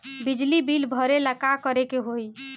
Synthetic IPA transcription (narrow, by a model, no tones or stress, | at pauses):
bid͡ʒlibilbʱəɾeləkakəɾekeɦoj